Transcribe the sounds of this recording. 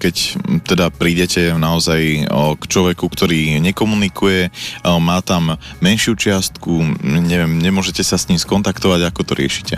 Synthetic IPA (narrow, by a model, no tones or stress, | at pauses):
kɛct̪ɛd̪apɾiːɟɛcɛnaɔzajkt͡ʃlɔʋɛkukt̪ɔɾiːɲɛkɔmunikʰujɛmaːt̪amːɛnʃɪut͡ʃɪast̪kuɲɛʋɛmɲɛmʊɔʒɛcɛsasɲiːmskɔnt̪akt̪ɔʋaɟakɔt̪ɔɾɪɛʃi̥cɛ